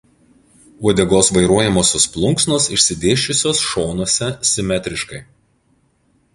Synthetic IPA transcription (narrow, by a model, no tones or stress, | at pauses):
uɔd̪ʲɛɡoːsʋɐɪɾuɔjɛmoːsʲosplˠʊŋksnoːsɪʃʲsʲɪd̪ʲeːʃʲt͡ʃʲʊsʲoːsʃoːnoɔsʲɛsʲɪmʲɛt̪ʲɾʲɪʃkɐɪ